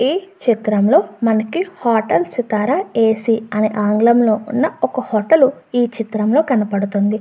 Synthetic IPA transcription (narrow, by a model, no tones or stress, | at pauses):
iːt͡ʃit̪ɾɐmlo̞ːmɐnɐkihaːʈɐlsit̪aːɾɐe̞ːsiɐniʔaːŋɡlɐmlo̞ːʔunːɐɔkɐhɔʈɐlu | iːt͡ʃit̪ɾɐmlo̞ːkɐnɐpɐɽut̪und̪i